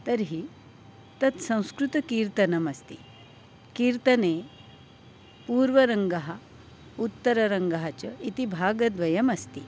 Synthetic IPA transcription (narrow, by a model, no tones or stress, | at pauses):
t̪ɐɾɦi | t̪ɐt̪sɐ̃w̃skɾut̪ɐkiːɾt̪ɐnɐmɐst̪i | kiːɾt̪ɐne | puːɾʋɐɾəŋɡaɦa | ut̪ːɐɾɐɾɐŋɡaɦat͡ɕɐit̪ibʱaːɡɐd̪ʋɐjɐmɐst̪i